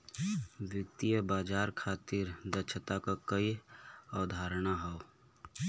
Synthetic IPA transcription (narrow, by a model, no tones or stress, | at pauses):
ʋjək̚t̪ijəbaːd͡ʒaːɾkʰaːt̪iɾd̪ət͡ʃʰət̪akakəiaːd̪ʱaːɾnaɦɔo